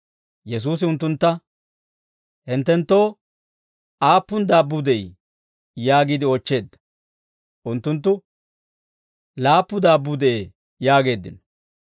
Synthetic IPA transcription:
jɛs̬uːs̬ɪʊnt̪ːʊnt̪ːɐ | hɪnt̪ːɛnt̪ːo̞ː | ʔaːpːʊnd̪aːbːʊd̪ɛj | jaːɡid̪ɪɔt͡ʃːe̞ːd̪ːɐ̥ | ʔʊnt̪ːʊnt̪̬ːʊ | laːpːʊd̪aːbːʊd̪ɛe | jaːɡe̞ːd̪ːɪ̰n

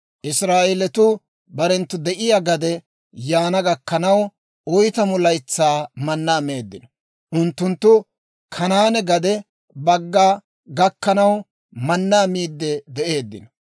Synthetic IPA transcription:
ʔɪsɾaːʔɛlɛt̪ʊ | bɐɾɛnt̪ːʊd̪ɛʔɪjaɡɐd̪ɛ | jaːnɐɡɐkːɐnɐw | ɔjt̪ɐmʊlɐjt͡sːaːmɐnːaːme̞ːd̪ːɪnɔ | ʔʊnt̪ːʊnt̪ːʊ | kʰɐnaːnɛɡɐd̪ɛ | bɐɡːaː | ɡɐkːɐnɐw | mɐnːaːmiːd̪ːɛd̪ɛʔe̞ːd̪ːɪ̰nɔ̥

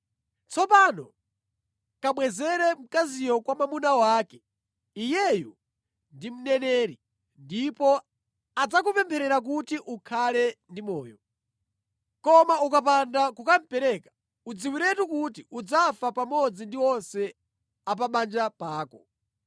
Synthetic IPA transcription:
t͡sɔpanɔ | kamwɛzɛɾɛm̩kazijɔkwamamunawaːkɛ̥ | ijɛju | ndim̩nɛnɛːɾi | ndipɔ | ad͡zakupɛmpʰɛɾɛɾak̬utiʔukʰalɛndimɔːjɔ | kɔmaukap̬andakukam̩pɛɾɛkḁ | ud͡ziwiɾɛtukutiud͡zafapamɔd͡zindiwɔnsɛ | ap̬aɓand͡ʒapaːkɔ

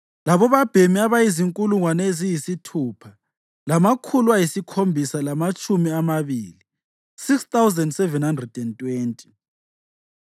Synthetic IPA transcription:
laβɔβab̥ʱemiaβajiziŋkʼuluŋwanɛezijisitʰuːpʰa | lamakʰulwajisikʰombʱisalamat͡ʃʼumiamaβiːli | sikst̪awzɛndsɛvɛnhandrɛd̥ɛntʼweːntʼi̥

